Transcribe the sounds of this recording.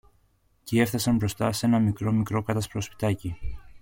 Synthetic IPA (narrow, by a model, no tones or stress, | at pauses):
cie̞fθɐsɐmbɾo̞st̪ɐse̞nɐmikɾo̞mikɾo̞kɐt̪ɐspɾo̞spi̥t̪ɐci